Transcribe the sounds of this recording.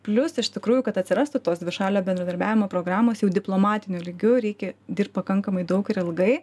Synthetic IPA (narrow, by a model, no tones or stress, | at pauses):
pʲlʲʊsɪʃt̪ʲɪkɾuːjʊkɐt̪ɐt̪ʲsʲɪɾɑst̪ʊt̪oːsd̪ʲʋʲɪʃɑːlʲoːbʲɛnd̪ɾɐd̪ɐɾʲbʲæːʋʲɪmoːpɾoːɡɾɑːmoːsjɛʊd̪ʲɪplˠoːmɑːt̪ʲɪnʲʊlʲiɡʲʊɾʲɛɪkʲɛd̪ʲiːrp̚ʲpɐkɐŋkɐmɐɪd̪ɐʊkɪɾɪlˠɡɐɪ